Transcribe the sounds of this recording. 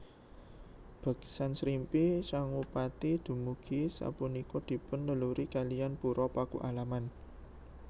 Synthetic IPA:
b̥a̤ɡ̥sansɾimpisaŋupat̪id̪̥ṳmuɡ̥isa̰punikɔd̪̥i̤pʊnləluɾikalijanpuɾɔpakṵʔalaman

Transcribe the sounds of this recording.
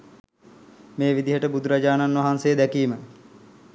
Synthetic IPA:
meːʋid̪iɦəʈəbud̪uɾad͡ʒaːnanʋaɦansejəd̪ækiːmə

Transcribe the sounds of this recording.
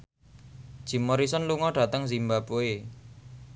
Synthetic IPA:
d̥ʒ̥i̤moɾisɔnluŋɔɖ̥a̤t̪əŋzimbapoe

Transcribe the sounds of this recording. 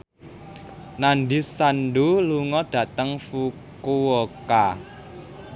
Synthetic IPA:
nanɖisanɖuluŋɔɖ̥ä̤t̪əŋfu | kuwoka

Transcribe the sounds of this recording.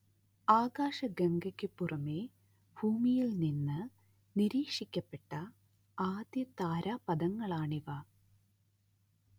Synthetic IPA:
aːɡaːʂɐɡɐŋɡɐkʲːɨpːurɐme̞ː | bʱuːmijilninːɨ | niɾiːkʂikʲːɐpːe̞ʈːɐ | aːd̪jɐt̪aːɾaːpɐd̪ɐŋːɐɭaːɳiʋɐ

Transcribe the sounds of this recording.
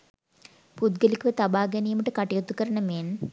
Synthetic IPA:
pud̪ɡəlikuʋet̪abaːɡenijməʈəkaʈijot̪ukəɾənəmeːn

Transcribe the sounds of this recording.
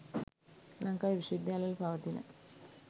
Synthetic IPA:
lɐŋkaːjʋiʃɐʋid̪jaːlɐjɐlpɐʋɐt̪inə̰

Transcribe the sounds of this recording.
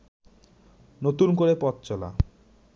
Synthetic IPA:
not̪unkoɾepɔt̪t͡ɕɔla̰

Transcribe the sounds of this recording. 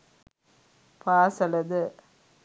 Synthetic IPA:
paːsɐlɐðɯ

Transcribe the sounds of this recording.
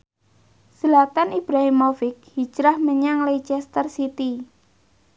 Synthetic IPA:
səlat̪anib̥ɾaɦɪmːofɪk̚hid͡ʒɾahməɲaŋlejt͡ʃɛst̪ərsit̪i

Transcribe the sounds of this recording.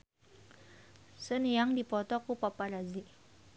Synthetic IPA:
sənijaŋdipɔt̪ɔkupapaɾaziʔ

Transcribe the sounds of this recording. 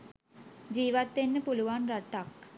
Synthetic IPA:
d͡ʒiːʋat̪ʋenːəpuluʋanraʈːak

